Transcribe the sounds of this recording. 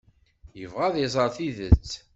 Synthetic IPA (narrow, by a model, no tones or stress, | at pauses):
jəvʁæðˤezˤəɾˤθiðə̰t͡sː